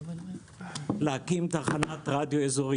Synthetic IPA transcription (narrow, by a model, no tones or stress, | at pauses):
leakimt̪aχanat̪ʁad̪joezoʁi